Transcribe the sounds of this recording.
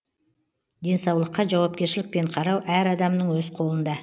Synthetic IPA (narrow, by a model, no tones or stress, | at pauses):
d̪e̞nsɑwlˠəqːɑʒɑwɑp̚kʲe̞ɾʃɪlɪk̚pe̞ɴqʰɑɾɑwʔæɾɑd̪ɑmnəɴwɵzqʰo̞lˠənd̪ɑ